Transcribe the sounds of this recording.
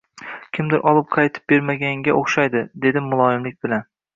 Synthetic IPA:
kʲʰɪmd̪ɪɾʔɒlˠɪp̚qʰɑjt̪ʰɪ̥p̚be̞ɾmaɡʲaŋɡʲaʔoχʃajd̪ɪd̪e̞d̪ɪmʊlˠɒɪmlɪk̚ʲbɪlan

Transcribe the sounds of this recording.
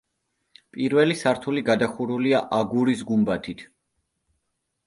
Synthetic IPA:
pʼiɾvɛlisaɾt̪ʰuliɡad̪aχuɾuliaʔaɡuɾisɡumbat̪ʰit̪ʰ

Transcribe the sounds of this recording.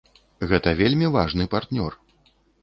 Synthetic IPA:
ɣɛt̪ɐvʲelʲmʲivaʐnɨpart̪nʲɔr

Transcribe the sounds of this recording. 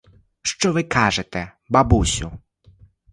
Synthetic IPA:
ʃt͡ʃɔʋɪkʰɑʒet̪ɛ | bɐbusʲʊ̰

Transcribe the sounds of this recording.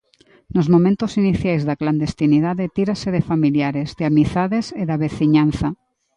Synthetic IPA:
nozmõmẽnt̪osiniθjajzðakland̪est̪inið̞aðet̪iɾaseðefamiljaɾezðeamiθaðeseðaβeθiɲan̟θa

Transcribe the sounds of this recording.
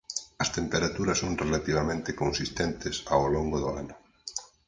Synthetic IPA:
ɐst̪empeɾat̪uɾɐsːoŋrelat̪iβ̞amẽnt̪ɪkõnsist̪ent̪ɪsawloŋɡoðʊa̰nʊ

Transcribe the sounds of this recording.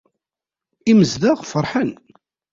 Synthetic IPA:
iməzðæʁfəɾˤħən

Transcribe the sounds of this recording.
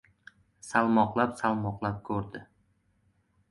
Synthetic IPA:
salˠmɒqlˠapsalˠmɒqlˠap̚kʰɵɾd̪ɪ

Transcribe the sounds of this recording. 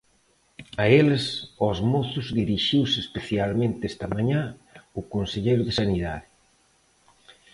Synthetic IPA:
aelesɔzmoθʊzðiɾiʃiwseːspeθjalmẽnt̪ɪest̪ɐmaɲãʊkonseʎejɾʊðesaniða̰ðɪ

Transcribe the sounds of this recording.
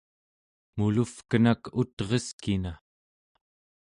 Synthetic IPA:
mulufkənakut̪ʁeskina

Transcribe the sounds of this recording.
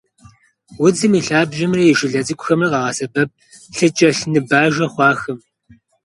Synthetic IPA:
wʊd͡zɨmiːɬaːbʒɪmrɐjɪʃɪɮɐt͡sʼɨkʷʼʊxɐmrɐqɑːʁɑsɐbɐp̚ | ɬɨt͡ʃʼɐɬnɨbaːʒɐχʷɑːxɨm

